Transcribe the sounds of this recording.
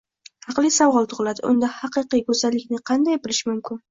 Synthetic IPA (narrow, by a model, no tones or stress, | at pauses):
hɑqlˠɪsawʁɒlˠt̪ʰʊʁɨlad̪ɪ̰ʔʊ̰nd̪ahɑqɨqijkɵzalːɪkʲnɪqʰɑnd̪ajbɪlɪʃɪmʊmkʲʰɪn